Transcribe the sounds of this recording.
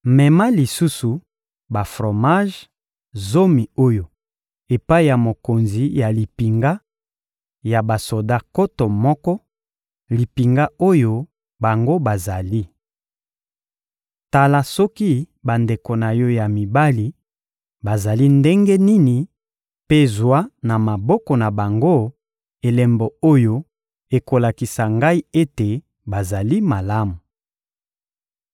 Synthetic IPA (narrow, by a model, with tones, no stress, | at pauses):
mɛ˨ma˦li˨su˦su˨ | ba˨fʁo˨ma˦ʒ | zo˦mi˨o˦jo˨ | e˨pa˦i˨ja˨mo˨ko˨nzi˨ja˨li˨pi˨ŋɡa˦ | ja˨ba˨so˨da˦ko˦to˨mɔ˦kɔ˦ | li˨pi˨ŋɡa˦o˦jo˦ | ba˨ŋɡo˦ba˨za˨li˦ | ta˨la˨sɔ˦ki˦ | ba˨nde˨ko˨na˨jɔ˦ja˨mi˨ba˦li˨˦ | ba˨za˨li˦nde˦ŋɡe˦ni˦ni˨ | pe˦zwa˦na˨ma˨bɔ˦kɔ˨na˨ba˨ŋɡo˦ | e˨lɛ˨mbo˨o˦jo˦ | e˨ko˨la˨ki˨sa˨ŋɡa˦i˦e˦te˨ | ba˨za˨li˦ma˨la˦mu˨